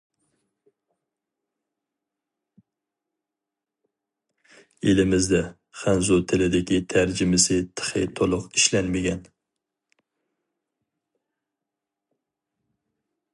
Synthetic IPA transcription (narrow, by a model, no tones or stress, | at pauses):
elɪmɪzd̪ɛ | χænzʊt̪ʰɪlɪd̪ɪkʲit̪ʰæɾd͡ʒɪmɪsɪt̪ʰə̥χɨ̰t̪ʰolˠʊqiʃlænmɪɡʲɛn